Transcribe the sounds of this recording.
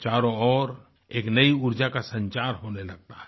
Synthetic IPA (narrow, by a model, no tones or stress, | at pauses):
t͡ʃaːɾõɔːɾ | eːknɐiʊɾd͡ʒakasɐ̃ɲt͡ʃaːɾɦoːnelɐɡ̚t̪aɦɛ̥